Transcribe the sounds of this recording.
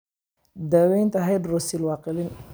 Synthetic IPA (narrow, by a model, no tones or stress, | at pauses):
d̪awɛjnt̪ʰɐɦɛjd̪rɔsilwɑːqɪlɪn